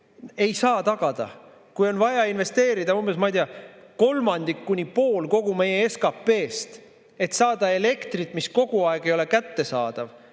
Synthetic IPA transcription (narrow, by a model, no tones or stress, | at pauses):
e̞jsɑːt̪ɑɡ̥ɑd̪̥ɑ̰ | kujo̞nvɑjɑinve̞st̪e̞ːɾid̪̥ɑumbesmɑijd̪iɑko̞lmɑnd̪ikːunʲipo̞ːlko̞ɡ̥ume̞jeeskɑpːe̞ːst̪ | e̞t̪sɑːd̪̥ɑe̞le̞kt̪rit̪ːˑmisko̞ɡ̥uɑeɡ̥e̞jo̞le̞kæt̪ːe̞sɑːd̪̥ɑv